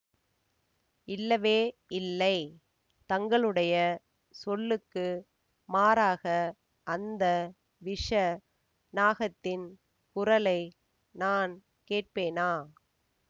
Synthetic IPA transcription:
ɪlːɐʋeːɪlːɐɪ | t̪ɐŋɡɐɭɯɽɐjɐ | sɔlːɯkːɯ | maːɾaːɣɐ | ʔɐnd̪ɐ | ʋɪʂɐ | naːɣɐt̪ːɪn | kʊrɐlɐɪ | naːn | keːʈ̚peːnaː

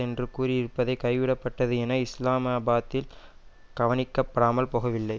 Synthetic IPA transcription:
ɛndrɯkuːɾiɪɾɯpːɐðɐɪkɐɪʋɪɽɐpːɐʈːɐðɯɛnɐɪslaːmɐːbaːt̪ːɪl | ɡ̥ɐʋɐnɪkːɐpːɐɽaːmɐlpoːɣɐʋɪlːɐɪ

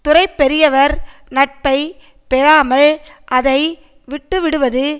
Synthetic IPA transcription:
t̪ʊɾɐɪpːɛɾɪjɐʋɐɾnɐʈ̚pɐɪ | pɛɾaːmɐɭ | ʔɐðɐɪ | ʋɪʈːɯʋɪɽɯʋɐðɯ

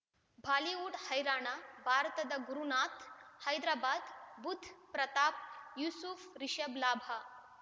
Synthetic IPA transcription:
bʱaːliuːɽhəjɾaːɳabʱaːɾt̪ɐd̪ɐɡuɾunat̪ʰhɐjd̪ɾaːbaːd̪but̪pɾɐt̪aːp̚jusufɾiɕəblaːbʱa

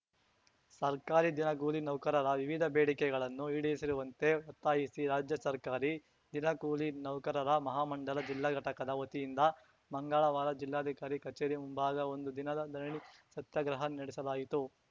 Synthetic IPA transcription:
sɐɾkaːɾid̪inɐɡuːlinɐwkɐɾɐɾɐʋiʋid̪ʱɐbeːɽikɛɡɐɭɐnːuiːɽesiɾuʋɐnt̪e̞ot̪ːaːjisiɾaːd͡ʒjɐsɐɾkaːɾi | d̪inɐɡuːlinɐwkɐɾɐɾɐmɐɦaːmɐɳɖɐlɐd͡ʒilːaːɡɐʈɐkɐd̪ɐot̪ijind̪ɐ | mɐŋɡaːɭɐʋaːɾɐd͡ʒilːaːd̪ʱikaːɾikɐt͡ʃeːɾimumbaːɡɐo̞nd̪ud̪inɐd̪ɐd̪ʱɐɾɐɳisɐt̪jɐɡɾɐɦɐnɐɽisɐlaːjit̪u

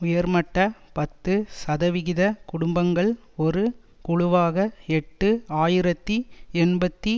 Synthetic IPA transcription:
ʊjɐɾmɐʈːɐpɐt̪ːɯsɐðɐʋɪɣɪðɐkʊɽʊmbɐŋɡɐɭ | ɔɾɯ | kʊɻʊʋaːɣɐɛʈːɯaːjɪɾɐt̪ːiɛɳbɐt̪ːi

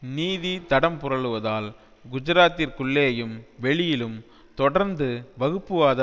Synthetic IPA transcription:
niːðit̪ɐɽɐmpʊrɐɭɯʋɐðaːl | ɡʊd͡ʒɪɾaːt̪ːɪɾkʊɭːejɐjɯmʋɛɭɪjɪlɯm | t̪ɔɽɐɾnd̪ɯʋɐɣɯpːɯʋaːðɐ

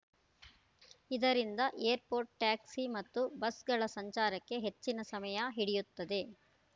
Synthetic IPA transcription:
id̪ɐɾind̪ɐʔejɐɾpo̞ːɾʈʈaːksimɐt̪ːubɐsɡɐɭɐsɐɲt͡ʃaːɾɐkːeɦet͡ʃːinɐsɐmɐjɐɦiɽijut̪ːɐd̪e̞

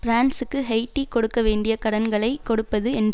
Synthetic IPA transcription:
pɾaːnsɯkːɯɦɐɪʈːikɔɽɯkːɐʋeːɳɖɪjɐkɐɽɐnɡɐɭɐɪkːɔɽɯpːɐðɯɛnd

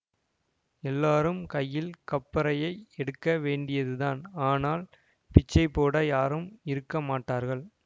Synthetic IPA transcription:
ɛlːaːɾɯmkɐjːɪlkɐpːɐɾɐjɐɪɛɽɯkːɐʋeːɳɖɪjɐðɯðaːnaːnaːl | pɪt͡ʃːɐɪpːoːɽɐjaːɾɯmɪɾɯkːɐmaːʈːaːɾɣɐɭ

